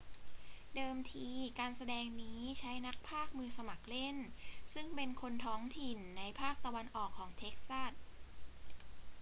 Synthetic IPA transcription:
dɤː˧mt̪ʰiː˧kaː˧nsa˧dɛː˧ŋniː˦˥t͡ɕʰa˦˥jna˦˥k̚pʰaː˥˩k̚mɯː˧sa˧ma˨˩k̚le˥˩nsɯ˥˩ŋpe˧nkʰo˧nt̪ʰɔː˦˥ŋt̪ʰi˨˩nːa˧jpʰaː˥˩k̚t̪a˧wa˧nʔɔː˨˩kʰːɔː˩˦ŋt̪ʰeː˦˥k̚sa˥˩t̪̚

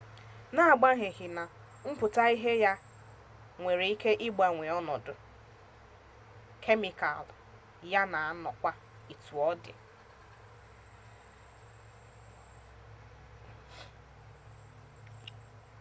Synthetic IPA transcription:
na˦a˨ɡ͡ba˦ɦɪ˨ɦɪ˨na˨ | m̩˦pʊ˨ta˦i˦ɦe˦ja˦ | ŋʷe˨ɾe˨i˦ke˦ʔɪ˦ɡ͡ba˨ŋʷe˨ɔ˦nɔ˨dʊ˨ | kʰe˦mi˨ka̰˨l | ja˦na˨˦nɔ˨kʷa˦ | i˨tu˨ɔ˦dɪ̰˨

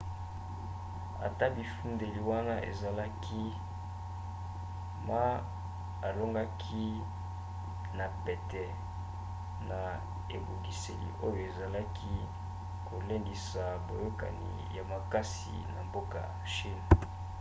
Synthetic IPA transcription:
a̰˨ta˦bi˨fu˦nde˨li˨wa˦na˦ʔḛ˨za˨la˦kʰi˦ | ma˦ | a˨lo˦ŋɡa˦kʰi˦ | na˨pɛ˨tɛ˨ | na˨ | e˨bu˨ɡi˨se˨lḭ˨ʔo˦jo˨e˨za˨la˦kʰi˦ | ko˨le˦ndi˨sa˨bo˨jo˦ka̰˨nḭ˨ja˨ma˨ka˦sḭ˨na̰˨mbo˦ka̰˨ | ʃi˦n

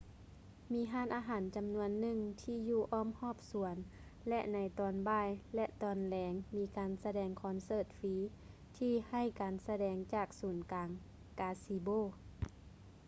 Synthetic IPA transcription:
miː˨˧˥ɦaː˧˥˨nʔaː˧ɦaː˨˩˦nt͡ɕa˨mnu˧ənːɯ˧˨ŋt̪ʰiː˧juː˧˩ʔɔː˧˩˨mhɔː˧˥˩p̚su˨˩˦ən | lɛ˧ʔna˨˦jt̪ɔː˨˧nbaː˧˥˩jlɛ˧ʔt̪ɔː˨˩nlɛː˨˧˦ŋmiː˨˧˦kaː˨nsa˧dɛː˨˩ŋkʰɔː˨˦nsɤː˧˩t̪̚fiː˨˦ | t̪ʰiː˧ha˧˩jkaː˨nsa˧dɛː˨˧ŋt͡ɕaː˧˩k̚suː˨˦nkaː˨˧ŋ | kaː˧siː˧˦boː˧˨

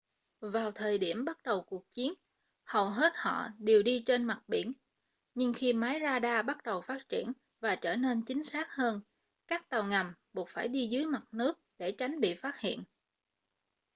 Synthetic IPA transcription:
vaː˨˩wt̪ʰəː˨˩jɗi˧˩əmɓa˦˥t̚ɗə˨˩wku˨˩ək̚t͡ɕi˨˦ən | hə˨˩wɦe˦˥t̚hɔ̰˧˨ɗe˨˩əwɗi˧t͡ɕe˧nma˨˩t̚ɓi˧˩ən | ɲɨ˧ŋxi˧maː˨˦jzaː˧ɗaː˧ɓa˦˥t̚ɗə˨˩wfaː˦˥t̚t͡ɕi˧˩ən | vaː˨˩t͡ɕəː˧˩ne˧nt͡ɕï˨˦ŋ̟saː˦˥k̚həː˧n | kaː˦˥k̚t̪a˨˩wŋa˨˩mɓu˨˩ət̚faː˧˩jɗi˧zɨː˨˦jma˨˩t̚nɨ˦˥ək̚ɗe˧˩t͡ɕa˨˦jŋ̟ɓḭ˧˨faː˦˥t̚hḭ˧˨ən

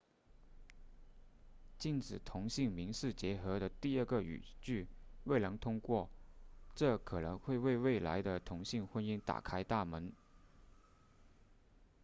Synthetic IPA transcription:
t͡ɕi˥˩nʈ͡ʂɻ̩˨˩t̪ʰʊ˧˥ŋɕi˥˩ŋmi˧˥ŋʂɻ̩˥˩t͡ɕjɛ˧˥xɤ˧˥ɾə˧t̪i˥˧ə˥˩ɡə˩y̰˨˩t͡ɕy˥˧we˥˩ɪnɤ˧˥ŋt̪ʰʊ˥ŋkwɔ˥˩ʈ͡ʂɤ˥˩kʰɤ˨˩nɤ˧˥ŋxwe˥˧ɪwe˥˧ɪwe˥˩ɪla̰˧˥ɪd̪ə˧t̪ʰʊ˧˥ŋɕi˥˧ŋxwə˥ni˥ŋt̪a̰˨˩kʰa˥ɪt̪a˥˩mə˧˥n

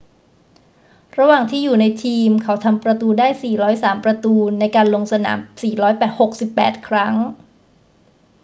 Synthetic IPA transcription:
ɾa˧waː˨˩ŋt̪ʰiː˥˩juː˨˩na˧jt̪ʰiː˧mkʰa˦˥wt̪ʰa˧mpɾa˧t̪uː˧daː˥˩jsiː˨˩ɾɔː˦˥jsaː˩˦mpɾa˧t̪uː˧na˧jkaː˧nlo˧ŋsa˧na̰ː˩˦msiː˨˩ɾɔː˦˥jpɛː˨˩t̪̚ho˨˩k̚si˨˩pːɛ̰ː˨˩t̪̚kʰɾa˦˥ŋ

